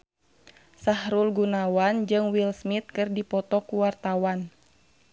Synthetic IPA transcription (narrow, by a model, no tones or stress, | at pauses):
sahɾulɡunawand͡ʒɨŋwilsmit̪̚kɨrdipɔt̪ɔkuwart̪awan